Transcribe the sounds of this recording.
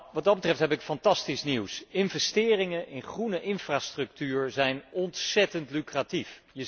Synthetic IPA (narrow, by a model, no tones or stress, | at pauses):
ʋɑd̚dɑd̚bətrɛftɦɛpɪkfɑntɑstisniwsɪnvɛstɪːrɪŋəʔɪnχrunəʔɪnfraːstrɵk̚tyːɹzɛjnɔntsɛtəntlykratifjə